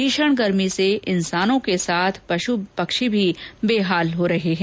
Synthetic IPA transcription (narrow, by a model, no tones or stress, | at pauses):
iːʃəɽ̃ɡɐɾmiseʔɪnsaːnõkesaːt̪ʰpɐʃupɐkʃibʱibeːɦaːlɦoɾɐɦeɦɛ̃